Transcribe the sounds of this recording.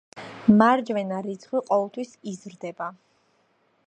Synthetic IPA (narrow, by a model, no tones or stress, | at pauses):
maɾd͡ʒvɛnaɾit̪sʰχwiqʼɔvɛlˠt̪ʰwisizɾd̪ɛba